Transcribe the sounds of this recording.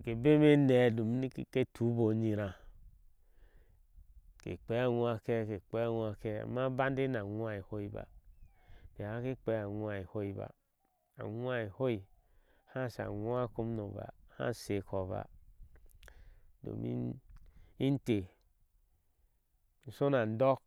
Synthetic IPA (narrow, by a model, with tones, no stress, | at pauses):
ke˨be˦me˦nɛ˨do˨m˦i˦kke˦tʰu˨˦bo˨ɲi˨ɾã˨ | kḛ˨k͡pɛ˨˦a˨ŋu˦a˨kɛ˦ke˨k͡pɛ˦a˦˨ŋʷ˦a˨kɛ˦a̰˨ma˦ba˦n˦de˦na˨ŋʷ˦a˦e˨ho˦i˦ba̰˨ | ke˨a˦ke˦k͡pɛ˨˦a˨wʷa˨e˨ho˦i˦ba̰˨ | a̰˨wʷa˦e˨ho˦i˨ | hã˦˨sa̰˨wʷa˦ko˦mno˨ba̰˨ha̰˦se˨kʰo˨βa̰˨ | do̰˨mḭ˦ | i˦n˦te˨ | n̩˨so˦na˨n˦dɔ˦k̚